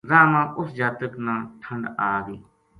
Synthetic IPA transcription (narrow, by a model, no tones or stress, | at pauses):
zaːmãːʔʊsd͡ʒaːt̪əknãːʈʰəɳɖaːɡiː